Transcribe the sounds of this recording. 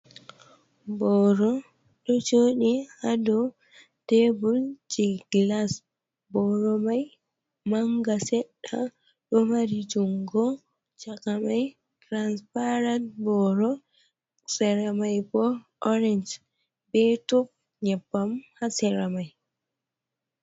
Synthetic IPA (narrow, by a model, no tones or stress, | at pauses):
bɔɾɔ | ɗɔd͡ʒoɗihadɔ | tebuld͡ʒiɡlas | bɔɾɔmaj | maŋɡasɛɗa | ɗɔmaɾid͡ʒuŋɡɔ | t͡ʃakamaj | tɾanspaɾantbɔɾɔ | sɛɾamajbɔ | ɔɾɛnd͡ʒ | bɛtɔp̚ | ɲɛbːamhasɛɾamaj